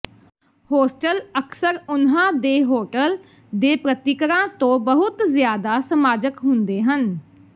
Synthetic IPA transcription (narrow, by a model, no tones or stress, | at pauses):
hoːsʈələksəɾʊnɦãːd̪eːɦoːʈəl | d̪eːpɾət̪ɪkɾãːt̪õːbəɦʊt̪zɪjaːd̪aːsəmaːd͡ʒəkɦʊnd̪eːɦən